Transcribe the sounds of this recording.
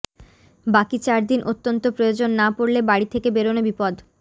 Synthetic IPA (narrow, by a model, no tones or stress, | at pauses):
bakit͡ɕaɾd̪inʔot̪ːont̪opɾojod͡ʑonːapoɾlebaɽit̪ʰekebeɾonobipod̪